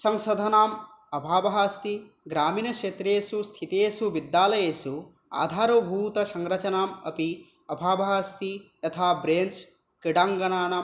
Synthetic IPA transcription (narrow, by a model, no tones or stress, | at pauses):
sɐ̃ŋʃɐd̪ʱɐnaːm | ɐbʱaːbɐɦaːst̪i | ɡɾaːmiːnɐkʂeːt̪ɾeːsust̪ʰit̪eːsuʋid̪ːjaːlɐjeːsu | a̰ːd̪ʱaːɾobʱuːt̪ɐsɐŋɾɐt͡ʃɐnaːmɐ̰pi | ɐbʱaːbɐɦaːst̪ij̪ɐt̪ʰaːbɾeːnt͡ʃ | kiɽaːŋɡɐnaːnam